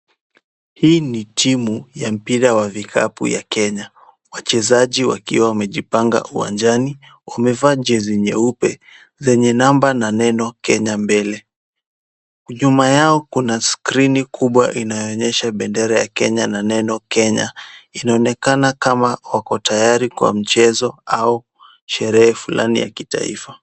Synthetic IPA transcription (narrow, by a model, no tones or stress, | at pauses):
hiːnitʰimujam̩piɾawavikʰa̰pṵja̰kɛɲa | wat͡ʃɛzaʄiwa̰kiwawamɛʄipaŋɡa̰ʔuwa̰nd͡ʒani | wamɛvaːʄɛziɲɛupɛ | zɛɲɛnambananɛnɔkɛɲambɛlɛ | uʄumajaɔkunaskɾinikʰuɓwaʔinajɔɔɲɛʃaɓɛndɛɾajakɛɲananɛnɔkɛɲa̰inaɔnɛkanakamawakɔtajaɾikwa̰m̩t͡ʃɛzɔau | ʃɛɾɛhɛfula̰nḭja̰kita̰ḭfa